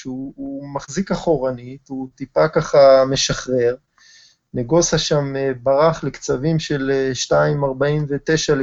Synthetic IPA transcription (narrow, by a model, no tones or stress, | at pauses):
ʃuumaχzikaχo̞ʁanit̪ut̪ipakaχame̞ʃaχʁe̞ʁ | neɡo̞saʃamebaʁaχlekt͡savimʃe̞leʃtaimaʁbaimvet̪eʃal